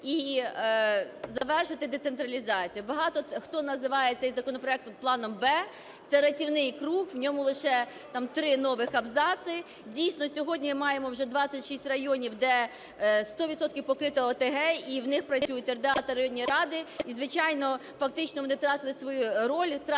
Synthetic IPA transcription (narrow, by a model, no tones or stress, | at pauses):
i | zɐʋɛrʃɪt̪ɪd̪et̪sent̪ɾɐlʲizɑt͡sʲijubɐɦɑt̪ɔxt̪ɔnɐzɪʋɑjɛt̪sʲɛjzɐkɔnɔpɾɔɛk̚t̪plˠɑnɔmbɛ | sɛɾɐtʲiwnɪjkɾuhwnʲɔmʊlˠɪʃɛ | t̪ɑmt̪ɾɪnɔʋɪxɐbzɑsɪ | dʲijsʲnɔsʲɔɦɔdʲnʲimmɑjemɔwʒɛd̪ʋɑt͡sʲːɐtʲʃisʲtʲrɐjɔnʲiwd̪ɛ | st̪ɔʋʲit̪sɔt̪kʲɪwpɔkɾɪt̪ɐɔt̪eɦɛiwnɪxpɾɐsʲujʊt̪ʲɛrd̪ɑt̪ɐɾɐjɔnʲːiɾɑd̪ɪizʋɪt͡ʃɑjnɔ | fɐk̚t̪ɪt͡ʃnɔʋɔnɪt̪ɾɑt̪ɪlˠɪsʋɔjuɾɔlʲʊt̪